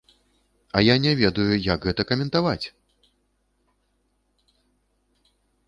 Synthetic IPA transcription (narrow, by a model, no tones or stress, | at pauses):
ɐjanʲɛvʲɛd̪ujujɐkɣɛt̪ɐkɐmʲɛnt̪avat͡sʲ